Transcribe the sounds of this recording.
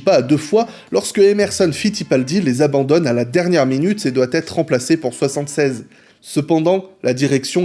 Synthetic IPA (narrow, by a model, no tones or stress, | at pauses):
paːd̪əfwa | lɔʁskəɛmɛʁsɔnfit̪ipald̪ilezabɑ̃d̪ɔnalad̪ɛʁnjɛʁminyt̪ed̪wat̪ɛt̪χʁɑ̃plasepuʁswasɑ̃t̪sɛz | səpɑ̃d̪ɑ̃lad̪iʁɛksjɔ̃